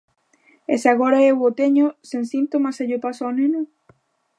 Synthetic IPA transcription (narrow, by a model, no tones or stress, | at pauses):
esaɣoɾaewot̪eɲosensint̪omaseʎopasawnẽno